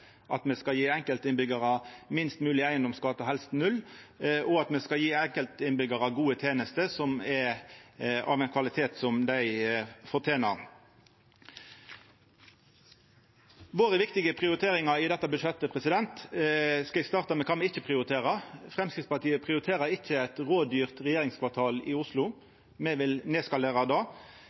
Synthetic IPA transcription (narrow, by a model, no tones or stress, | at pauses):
ʔɑt̪mɛskɑjiːɛŋkəlt̪ɪnbʏɡəʁɑmɪnst̪mʉːlɪæɪənd̪ɔmskɑːt̪ɑhɛlst̪nʉlː | ʔɔɑt̪mɛskɑljiːɛŋkəlt̪ɪnbʏɡəʁɑɡuːət̪ʰeːnəst̪əsɔmɛ | ɑ̰ːʋɛɪnkʰʋɑlɪt̪ʰeːt̪sɔmd̪æɪfɔʁt̪ʰeːnɑ | ʋoːʁəʋɪkt̪ɪɡəpʰʁɪʊɾɪt̪ʰeːʁɪŋɑɾɪd̪ɛt̪ːɑbʉʂɛt̪ːəpʰʁɛsɪd̪ɛnt̪skɑɪst̪ɑːʁt̪ɑmɛkʰɑmɛɪçːəpʰʁɪʊɾɪt̪ʰeːʁəfʁɛmskɪt̪spɑʁt̪ʰiːəpʰʁɪʊɾɪt̪ʰeːʁəɾɪçːəæɪt̪ʁoːd̪yːʁt̪ʁɛjeːʁɪŋskʰʋɑʁt̪ʰɑːlɪʊslʊ | mɛʋɪlneːskɑleːʁɑd̪ɑː